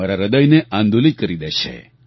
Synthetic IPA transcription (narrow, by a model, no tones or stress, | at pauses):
aɾaɾəd̪əjneʔãnd̪ulit̪̚kəɾid̪eʃḛ